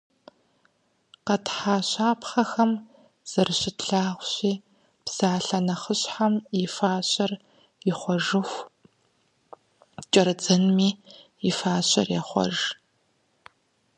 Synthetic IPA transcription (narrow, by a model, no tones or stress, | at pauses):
qɐtħaːɕaːpχɐxɐm | z̥ɐrɨɕɪtɬaːʁʷɕiː | psaːɬɐnɐχəɕħamifaːɕɐr | ɪχʷɔʒɨxʷ | t͡ʃʼɐɾɨd͡zɐnmiː | ɪfaːɕʼɐrjɛχʷɔ̰ʒ